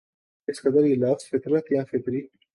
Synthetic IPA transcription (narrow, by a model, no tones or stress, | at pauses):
kɪskɐd̪əɾjelaːfsfɪt̪ɾət̪jãːfɪt̪ɾiː